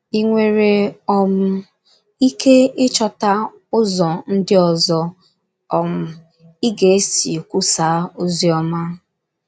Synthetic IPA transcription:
i˦ŋʷe˦ɾe˦ɔ˦m̩˦ | i˦ke˦ɪ˦t͡ʃɔ˨ta˦ | ʊ˦zɔ˨n̩˦dɪ˦ɔ˨zɔ˨ | ɔ˨m̩˨ | i˦ɡe˨e˦si˨kʷu˦sa˨˦o˦zi˦ɔ˦ma˦

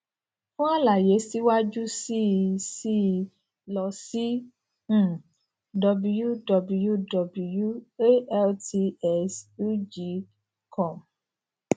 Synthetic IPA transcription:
fũ˦a˦la˨je˨˦si˦wa˦d͡ʒu˦si˦˧si˦˧ | lɔ˧sĩ˦˨ | dɔ˧bu˧ju˦dɔ˧bu˧ju˦dɔ˧˨bu˧ju˦e˦ɛ˦lti˧ɛ˦su˦d͡ʒi˨˦ | kʰɔ˦˨m

